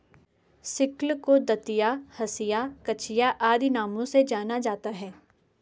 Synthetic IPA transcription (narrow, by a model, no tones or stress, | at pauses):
sɪklkod̪ɐt̪ijahɐsɪjakɐt͡ʃʰɪjaʔaːd̪inaːmõsed͡ʒaːnad͡ʒaːt̪aɦɛː